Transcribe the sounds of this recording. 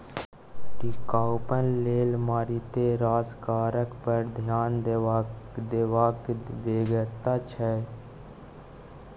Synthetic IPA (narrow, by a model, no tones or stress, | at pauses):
ʈikaːʊpənleːlmaːɾit̪eɾaːd͡ʒkaːɾəkpəɾd̪ʱjaːn | d̪eːʋaːkʋeːɡəɾt̪at͡ʃʰɛ